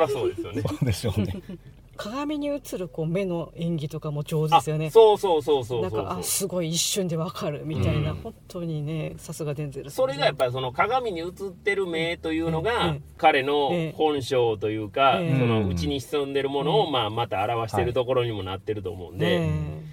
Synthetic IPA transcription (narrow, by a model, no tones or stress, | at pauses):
βaso̞ːd̪e̞sɨjo̞ned̪eo | kʰaɡamʲiɲ̟iɯ̟t͡sɨɾɯ̟ko̞ːme̞no̞ẽ̞ŋɡʲit̪o̞kamo̞t͡ɕo̞ːzasɨjone̞soːso̞ːso̞ːsoːnãskoaːasɨɡo̞iːɕːõɲd̪e̞βakʰaɾɯ̟mʲit̪ainahõ̞nt̪ʰːo̞ɲ̟ine̞sasɨɡadẽnzeɾso̞ɾe̞ɡajapːaɾis̬o̞no̞kaɡamʲiɲ̟iɯt͡sɨt̪ːe̞ɾɯ̟me̞ːt̪o̞jɯ̟ːno̞ɡakaɾe̞no̞hõ̞ɰ̃ɕo̞ːt̪o̞jɯ̟ːkaso̞no̞ɯ̟t͡ɕiɲ̟iɕi̥sɨ̃nd̪e̞ɾɯ̟mo̞no̞ːmaːmat̪aːɾaβaɕi̥eɾɯ̟t̪o̞ko̞ɾo̞ɲ̟imo̞nat̪ːe̞ɾɯ̟t̪o̞̰ːmo̞̰ɯ̟̰̃nd̪e̞